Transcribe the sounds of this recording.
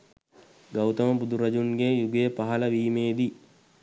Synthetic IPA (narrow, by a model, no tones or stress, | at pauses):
ɡawt̪ɐmɐbud̪uɾɐd͡ʒunɡejuɡejəpaɦɐlɐʋiːmeːd̪i